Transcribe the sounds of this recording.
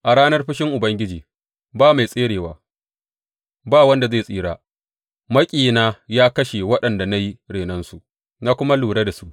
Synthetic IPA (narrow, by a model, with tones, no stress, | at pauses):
ʔa˨ɽaː˦nɐ˦rɸɪ˦ʃɪ˦ŋʔʊ˨bɐ˦ŋɡʲɪ˦d͡ʒiː˨ | baː˦˨ma˨jsʼeː˦ɽeː˨waː˨ | baː˦˨wɐ˦nda˨zeː˦˨sʼiː˦ɽaː˦ | mɐ˦kʲʼiː˨naː˦jaː˦kɐ˦ʃe˨wɐ˦ɗɐ˨nda˨na˦ji˦ɽeː˨nɐ˦nsu˨ʔ | naː˦kʷʊ˦ma˦luː˨ɽe˦da˨su˦ʔ